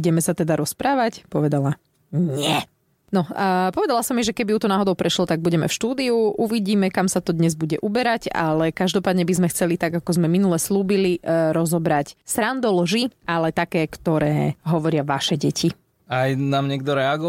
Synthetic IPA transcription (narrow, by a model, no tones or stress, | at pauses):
uɟɛmɛsat̪ɛd̪aɾɔspɾaːʋacpɔʋɛd̪ala | ɲɛ | nɔpɔʋɛd̪alasɔmiʒɛkɛbiuːt̪ɔnaːɦɔd̪ɔʊpɾɛʃlɔt̪aɡ̚buɟɛmɛ̰fʃt̪uːd̪iuʔuʋiɟiːmɛkamsat̪ɔd̪ɲɛzbuɟɛʔubɛɾaca̰lɛkaʒd̪ɔpaːd̪ɲɛbizmɛxt͡sɛlit̪aɡakɔzmɛminulɛsluːbiliɾɔzɔbɾacsɾand̪ɔlʒialɛt̪akɛːkt̪ɔɾɛːɦɔʋɔɾɪaʋaʃɛɟɛcʰi | ajnaːmɲɛɡ̚d̪ɔɾɛaɡɔ